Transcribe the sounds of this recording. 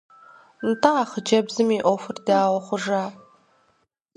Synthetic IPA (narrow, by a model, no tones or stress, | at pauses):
ntʰaːχəd͡ʒɐbzɨmiːʔʷɔfɨrdaːwɔχʷʊʐaː